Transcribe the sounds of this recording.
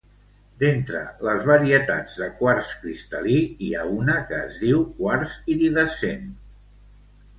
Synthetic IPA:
d̪ent̪ɾə̰ləzβəɾiət̪a̰d͡zðəkwaɾskɾist̪əliiaunəkəːzðiwkwaɾsiðiðəsen

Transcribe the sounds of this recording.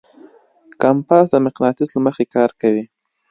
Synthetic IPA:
kampɑsd̪əmɪqnɑt̪ɪzlaməxekɑɾkawi

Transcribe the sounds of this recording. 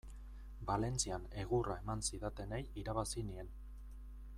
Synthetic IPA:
bale̞nt͡siane̞ɣurae̞mansiðat̪e̞ne̞jiɾaβasinie̞n

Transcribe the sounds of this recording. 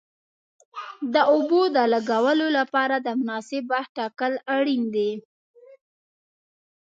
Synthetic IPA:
d̪əobod̪əlaɡawəlolapɑɾad̪əmʊnɑsɪbːahʈɑkəlaɽind̪e

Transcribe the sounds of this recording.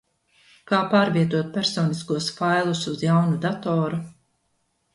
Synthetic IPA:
kaːpaːɾviɛt̪uɔt̪̚pʲɛɾsɔːniskuɔsfajlˠusuzjawnud̪at̪ɔːɾu

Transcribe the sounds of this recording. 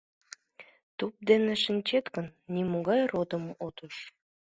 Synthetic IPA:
t̪up̚d̪eneʃə̆nʲt͡ɕet̪kənːimoɣɑjrod̪əmot̪uʃ

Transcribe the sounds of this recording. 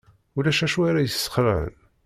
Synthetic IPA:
ulæʃæʃuaɾajəsːə̥χɾəʕə̰n

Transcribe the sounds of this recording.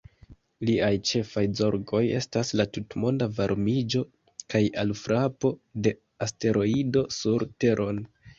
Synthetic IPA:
liajt͡ʃe̞fajzo̞ɾɡo̞je̞̰staslatutmo̞ndavaɾmid͡ʒo̞ | kajʔalfɾʔapo̞de̞ | aste̞ɾo̞ido̞suɾte̞ɾʔo̞n

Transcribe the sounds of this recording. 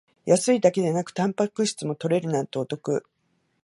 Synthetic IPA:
jʔasɨid̪ake̞d̪enakɯ̟̥t̪ãmpakɯ̟ɕi̥t͡sɨmo̞t̪o̞ɾe̞ɾɯ̟nãnt̪o̞ːt̪o̞kɯ̟

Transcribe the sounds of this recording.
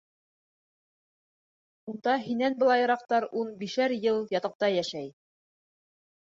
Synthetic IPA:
und̪ɑɦinænbɤ̆lˠɑjɤ̆ɾɑqt̪ɑɾʔunbiʃæɾjɤlˠjɑt̪ɑ̆q̚t̪ɑjæʃæj

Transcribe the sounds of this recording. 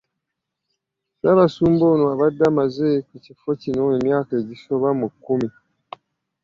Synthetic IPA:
βaβasuːmbonoaβadːamazekucifocinoemjaːkaeɟiso̞βamukːumi

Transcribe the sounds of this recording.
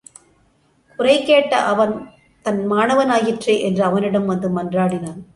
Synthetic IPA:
kʊrɐɪkːeːʈːɐ̰ʔɐʋɐn | t̪ɐnmaːnɐʋɐnaːjɪʈrɐʔɛndrɐɐʋɐnɪɽɐmʋɐnd̪ɯmɐndraːɽɪnaːn

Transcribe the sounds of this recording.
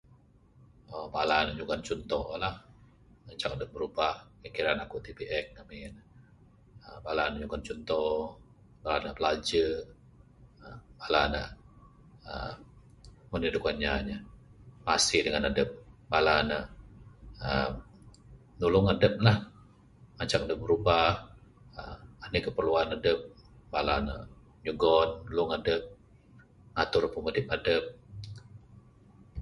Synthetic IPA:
obalanaʔɲuɡant͡ʃɔnt̪ɔlah | ət͡ʃakadəp̚bəɾubahkikiɾanakuʔt̪ipiʔɛk̚namɪn | əbalanəɲuɡant͡ʃɔnt̪ɔ | balanaʔpəlad͡ʒə | əbalana̰ʔ | ə̰ | mənidukaɲaɲamasɪhdəŋanadəp̚balanəʔ | əm | nulʊŋadəp̚lah | maɲt͡ʃaŋadəp̚bəɾubah | əanəkəpərluanadəp̚balana̰ʔ | ɲuɡɔnːulʊŋadəp̚ | ŋat̪ʊrpəmətɪp̚adəp̚

